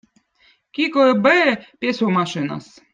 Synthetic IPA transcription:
kʲikoebepʲesomɑʃɨnɑ̰s

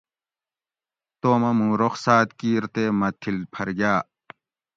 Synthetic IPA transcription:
t̪oːmɐmũːɾoxsaːt̪kiːɾt̪eːmɐt̪ʰilpʰɐɾɡjaː

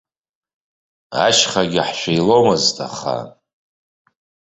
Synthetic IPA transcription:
a̰ʃχaɡʲaħʃʷejlo̞mɨztʰaχa̰

